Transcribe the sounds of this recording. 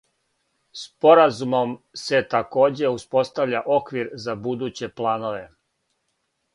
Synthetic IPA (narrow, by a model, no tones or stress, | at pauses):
spo̞ɾazumo̞mse̞t̪ako̞ːd͡ʑe̞uspo̞st̪aʋʎʲaʔo̞kʋiɾzabud̪uːt͡ɕe̞plˠaːno̞ʋe̞